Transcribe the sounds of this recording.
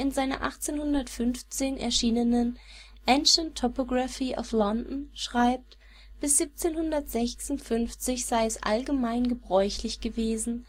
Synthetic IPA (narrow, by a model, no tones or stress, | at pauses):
ʔɪnzaɪnɐ̰ʔa̰χt͡seːnhʊndɐtfʏnft͡seːnɛ̰ɐʃiːnənən | ʔɛnʃəntʰːɔpoɡʁafiːʔa̰flɔndn̩ʃʁ̥aɪp̚t | b̥ɪsz̥iːp̚t͡seːnhʊndɐtz̥ɛçsʊntfʏnft͡sɪçz̥aɪɛsʔa̰lɡəmaɪnɡəbʁɔʏçlɪçɡ̥əveːzn̩